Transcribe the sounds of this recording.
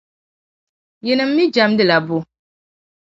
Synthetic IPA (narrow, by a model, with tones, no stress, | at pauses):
jɛ˨nɨ˨m̩ː˦i˦d͡ʒa˨˦mdɨ˨la˨bʊ˨